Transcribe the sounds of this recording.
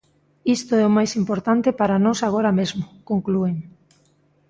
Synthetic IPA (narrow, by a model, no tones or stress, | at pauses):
ist̪oɛomajsimpoɾt̪ant̪epaɾanɔsaɣ̞oɾamezmʊkoŋklueŋ